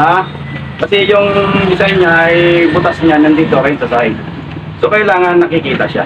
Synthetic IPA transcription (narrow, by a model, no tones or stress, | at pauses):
ha | kɐsɛjʊŋmɪsajɲaʔɐjbʊt̪asɲanɐnd̪iːt̪okɐjɪŋsɐsaɪ | sokɐjlaːŋɐnːɐkɪkiːt̪ɐʃa̰